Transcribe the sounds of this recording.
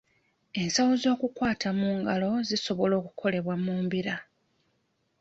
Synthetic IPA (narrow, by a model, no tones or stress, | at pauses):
e̞nsawozo̞ːkukwaːtʰamuːŋɡalo̞ziso̞βo̞lo̞ːkukʰo̞le̞βwamuːmbiɾa